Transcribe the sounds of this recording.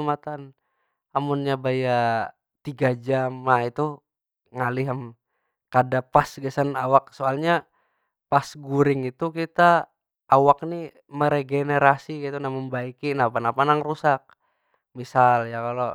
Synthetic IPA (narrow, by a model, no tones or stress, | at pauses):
mat̪an | amunɲabaja | t̪iɡad͡ʒamait̪u | ŋaliɦam | kadapasɡasanawak̚soalɲa | pasɡuɾɪŋit̪ukit̪a | ʔːwak̚ni | məɾeɡeneɾasikat̪unaməmbaikinapanapanaŋrusak̚ | misaljakalo